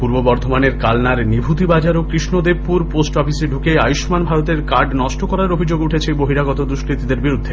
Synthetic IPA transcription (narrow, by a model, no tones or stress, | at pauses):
puɾbobɔɾd̪ʱomaneɾkalnaɾnibʱut̪ibad͡ʑaɾokɾiʃnod̪ebpuɾposʈɔpʰiseɖʱukeajuʃmanbʱaɾot̪eɾkaɾɖnɔʃʈokɔɾaɾobʱid͡ʑoɡuʈʰet͡ɕʰeboɦiɾaɡɔt̪od̪ɾuʃkɾit̪id̪eɾbiɾud̪ʱːe